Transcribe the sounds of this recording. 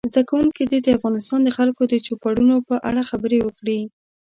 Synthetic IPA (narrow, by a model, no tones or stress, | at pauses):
zd̪akawuŋkid̪id̪əafɣɑnɪst̪ɑnd̪əxalkod̪ət͡ʃopaɽunopəʔa̰ɽaxabəɾewəkɽi